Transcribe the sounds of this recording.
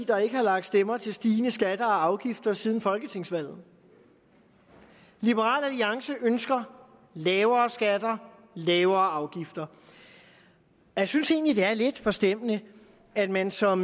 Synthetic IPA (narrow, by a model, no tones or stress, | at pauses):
d̥ɐe̝ɡ̥əhɑ̈lɑ̈ɡ̥̚d̥sd̥emɐt͡sʰe̝lsd̥iːnəsɡ̥æd̥ɐːɑ̈ʊɡ̥ifd̥ɐsiːð̞ˠn̩fɒ̽lɡ̥ət͡sʰe̝ŋsʋæl̰ð̩ˠ | lib̥əʁɑ̰̈ːlæliɑ̈ŋsəʔønsɡ̥ɐ | lɛːʊɐːsɡ̥æd̥ɐ | lɛːʊɐːɑ̈ʊɡ̥ifd̥ɐ | jasynse̝ːnlid̥e̝æɐle̝d̥fɒ̽sd̥em̰nə | æd̥mænsɒ̽m